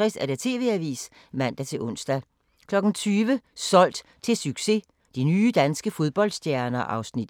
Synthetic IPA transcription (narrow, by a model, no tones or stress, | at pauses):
ʁɛsæɐd̥et͡sʰe̝̰ːʋe̝æʋḭːs | mæn̰d̥æt͡sʰe̝lʔɔ̽n̰sd̥æ | kʰlɒ̽ɡ̥n̩t͡sʰyːʋəsɒ̽l̰d̥ | t͡sʰe̝lsyɡ̥se̝ | d̥inyːd̥ænsɡ̥əfo̝ðˠb̥ɒ̽l̰d̥sd̥jæɐnɐʔɑ̈ʊsnid̥